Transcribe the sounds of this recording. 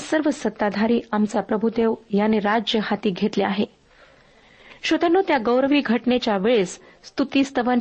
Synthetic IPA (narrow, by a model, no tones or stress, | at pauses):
səɾʋəsət̪ːad̪ʱaɾiːamt͡sapɾəbʱud̪eʋjanːeɾad͡ʑjəhat̪iːɡʱet̪leaɦe | ɕot̪anːuːt̪jaɡəwɾəʋiːɡʱəʈnet͡ɕjaʋeɭes | st̪ut̪iːst̪əʋən